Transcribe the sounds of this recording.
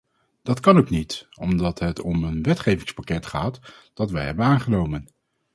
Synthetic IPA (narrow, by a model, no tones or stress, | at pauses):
d̥ɑtkɑnoknitɔmdɑtɦətɔmənʋɛtχejvɪŋspakɛtχaːt | d̥ɑtʋɛjɦɛbənaːnχənowmən